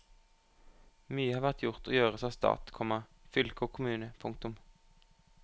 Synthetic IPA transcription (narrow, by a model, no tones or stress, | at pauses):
myːəhɑːʋæʁt̪jʊʁt̪ʰo̰ːjøːʁəsɑːst̪ɑ̰ːt̪kʰɔmɑ | fʏlkəoːkʰʊmʉːnəpʰʊŋk̚t̪ʊm